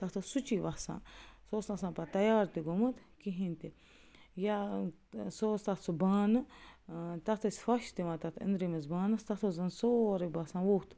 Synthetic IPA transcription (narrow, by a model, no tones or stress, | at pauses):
t̪ɐt̪ʰosut͡ʃiːʋasã̰ːsoːst̪ãsãːpɐt̪ɐjaːɾt̪iɡomɐt̪kiɦĩnt̪i | ja | soːst̪ɐsubaːnɨ | t̪ɐt̪ʰɐsʲfɐʃt̪iʋãːt̪ɐt̪ʰɪ̰nd̪ɾimɐzbaːnɐst̪ɐt̪ʰozɐnsoːɾibasãːʋoːt̪